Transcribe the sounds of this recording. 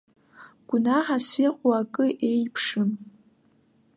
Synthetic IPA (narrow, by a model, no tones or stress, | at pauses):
ɡ̥ʷʊnaħasiqʷʼwaːkʼɨʔejpʰʂɨm